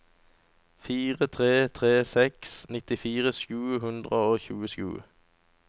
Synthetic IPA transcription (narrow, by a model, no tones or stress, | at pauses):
fiːʁət̪ʰʁeːt̪ʰʁeːsɛksnɪt̪ɪfiːʁəʃʉːhʉnd̪ʁəoːçʉːəʃʉ̰ː